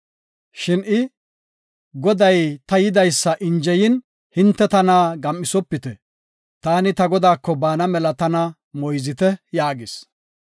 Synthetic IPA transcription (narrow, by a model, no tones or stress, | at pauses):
ʃɪnɪ | ɡɔd̪ɐjt̪ɐjɪd̪ɐjsːɐʔɪnd͡ʒɛjɪn | hɪnt̪ːɛt̪ɐnaːɡɐmːɪsɔpːɪt̪ɛ | t̪aːnɪt̪ɐɡɔd̪aːkːɔbaːnɐmɛlɐt̪ɐnɐ | mɔjzɪt̪ɛjaːɡɪs